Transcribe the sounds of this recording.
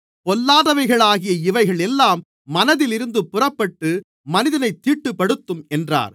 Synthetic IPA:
pɔlːaːðɐʋɐɪɣɐɭaːɣɪjɐɪʋɐɪɣɐɭɛlːaːmː | ɐnɐðɪlɪɾɯnd̪ɯpːʊrɐpːɐʈːɯ | mɐnɪðɐnɐɪt̪ːiːʈːɯpːɐɽɯt̪ːɯmɛndra̰ːɾ

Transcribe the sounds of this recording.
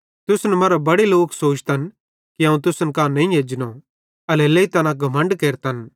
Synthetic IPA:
t̪ʊsnɛmɐɾabɐɽiloːksoːt͡ʃt̪ɐn | kiɦɐ̃ːũt̪ʊsnkanɐ̃ĩjeːd͡ʒno | ɐlɛleit̪ɐnãɡʱɐmə̃ɳɖkeːɾt̪ɐn

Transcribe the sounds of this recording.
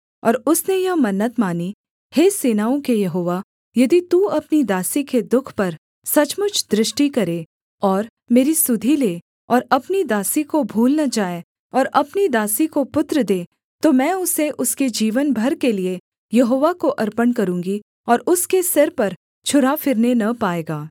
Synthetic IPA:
ɔːɾʊsnejɐɦmɐnːət̪maːni | heːseːnaːõkejɐɦoːʋa | jɐd̪it̪uɐpnid̪aːsiked̪ʊkʰpɐɾ | sɐt͡ʃmʊt͡ʃʰd̪ɾɪʃʈikɐɾeː | ɔːɾ | meːɾisʊd̪ʱileː | ɔːɾɐpnid̪aːsikobʱuːlnɐd͡ʒaːe | ɔːɾɐpnid̪aːsikopʊt̪ɾəd̪eː | t̪omɛ̃ːʊseʔʊsked͡ʒiːʋənbʱɐɾkelie | jɐɦoːʋakoʔɐɾpənkɐɾũːŋɡi | ɔːɾʊskesɪɾpɐɾ | t͡ʃʰʊɾafɪɾnenɐpaːeːɡaː

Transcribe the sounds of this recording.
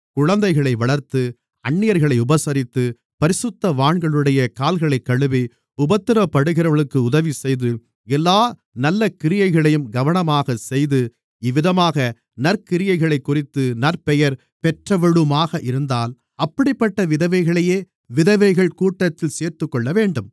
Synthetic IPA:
kʊɻɐnd̪ɐɪɣɐɭɐɪʋɐɭɐɾt̪ɯ | ɐɳːɪjɐɾɣɐɭɐɪʊbɐsɐɾɪt̪ːɯ | pɐɾɪsɯt̪ːɐʋaːɳɡɐɭɯɽɐjɐkaːlɣɐɭɐɪkːɐɭɯʋi | ʊbɐt̪ːɪɾɐpːɐɽɯɣɪɾɐʋɐɭɯkːɯʊðɐʋisɛjðɯ | ɛlːaː | nɐlːɐkɪɾɪjɐɪɣɐɭɐjɯmɡɐʋɐɳɐmaːɣɐsɛjðɯ | ɪʋɪðɐmaːɣɐ | nɐɾkɪɾɪjɐɪɣɐɭɐɪkːʊrɪt̪ːɯnɐɾpɛjɐɾ | pɛʈrɐʋɛɻɯmaːɣɐʔɪɾɯnd̪aːl | ɐpːɐɽɪpːɐʈːɐʋɪðɐʋɐɪɣɐɭɐjeː | ʋɪðɐʋɐɪɣɐɭkuːʈːɐt̪ːɪlseːɾt̪ɯkːɔɭːɐʋeːɳɖɯm

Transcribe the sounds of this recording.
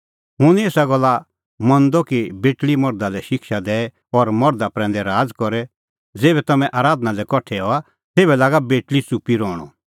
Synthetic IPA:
ɦʊneːsaɡɔlːa | mɔ̃nd̪ɔkibeːʈlimɔɾd̪alɛʃɪkʃad̪ɛːɛ | ɔɾmɔɾd̪apɾɛ̃ːnd̪ɛɾaːd͡zkɔɾɛ | d͡zeːbɛt̪ɐmɛ̃ʔaːɾaːd̪nalɛkɔʈʰːɛɔa | t̪eːbɛlaːɡabeːʈlit͡supiɾɔːɽ̃ɔ̰

